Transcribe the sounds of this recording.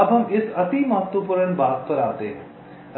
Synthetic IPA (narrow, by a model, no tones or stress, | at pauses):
ɐbʱɦɐmɪsɐt̪imɐɦət̪ʋəpuɾənbaːt̪̚pəɾaːt̪eː